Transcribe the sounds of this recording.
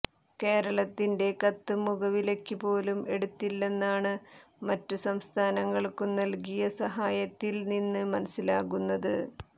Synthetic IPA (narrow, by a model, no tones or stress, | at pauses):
ke̞ːɾɐɭɐt̪ːinde̞kɐt̪ːɨmuɣɐʋile̞kːɨpo̞ːlumʔe̞ɽut̪ːilːe̞nːaːɳɨ | mɐtːusɐmst̪ʰaːnɐŋːɐɭkɨnɐlkijɐsɐɦaːjɐt̪ːilninːɨmɐnɐsilaːɣunːɐðɨ